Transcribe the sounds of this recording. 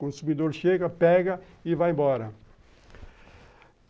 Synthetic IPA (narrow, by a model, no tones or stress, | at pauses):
kõsumid̪oɾʃeɡɐpɛɡɐ | ivajẽmbɔɾɐ